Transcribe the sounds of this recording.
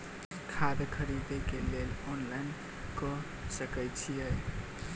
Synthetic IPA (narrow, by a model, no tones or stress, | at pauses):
kʰad̪kʰəɾid̪ekelelɔnlajn | kɔ | səkəjt͡ʃʰijəj